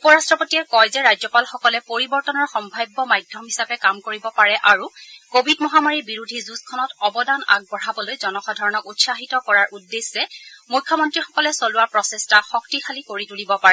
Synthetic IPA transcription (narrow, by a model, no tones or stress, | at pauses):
upɔɹastɹɔpotiɛkɔjzɛɹajzɔpalxɔkɔlɛpoɹibɔɹtɔnɔɹxɔmbʱajbːɔmajdʱjɔmɦisapɛkamkoɹibɔpaɹɛʔaɹukobʱidmɔɦamaɹibiɹudʱizuskʰɔnɔtɔbɔdana̰ɡ̚bɔɹabɔlojzɔnɔxɔdʱaɹɔnɔʔutsaxitɔkɔɹaɹʔudːesːɛmujkʰːɔmɔntɹixɔ̥kɔlɛsoluwaɹpɹɔsestaxɔk̚tixʰalikoɹitulibɔpaɹɛ